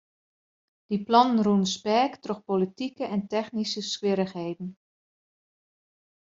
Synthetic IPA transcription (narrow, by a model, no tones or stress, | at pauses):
d̥iplɔnənrunspɛːktroxpolitikəʔɛntɛxnisəskʋɪɾəxɦeːdn̩